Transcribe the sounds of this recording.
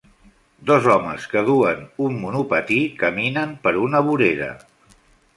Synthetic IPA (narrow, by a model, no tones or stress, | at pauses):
d̪ɔzɔmə̰skəðuənumːunupət̪ikəminəmpəɾunəβuɾeɾə̰